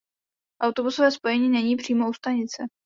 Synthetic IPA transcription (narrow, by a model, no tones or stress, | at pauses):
ʔawt̪o̞busovɛːspo̞jɛɲiːnɛɲiːpr̝̥iːmoust̪aɲɪt͡sɛ